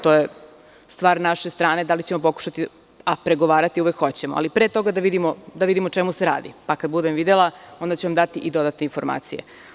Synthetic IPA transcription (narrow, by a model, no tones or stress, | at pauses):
t̪o̞je | st̪ʋaːɾnaʃest̪ɾaːned̪alit͡ɕemo̞p̬o̞ku̥ʃat̪i | apɾe̞ɡoʋaːɾat̪iuʋekxo̞t͡ɕemo̰a̰lipɾeːt̪o̞ɡad̪aʋid̪imod̪aʋid̪imot͡ʃemuseɾa̰ːd̪ḭpakad̪̚bud̪emʋid̪elˠao̞nd̪at͡ɕeʋamd̪at̪iʔid̪o̞d̪at̪ne̞info̞ɾma̰ːt̪sijḛ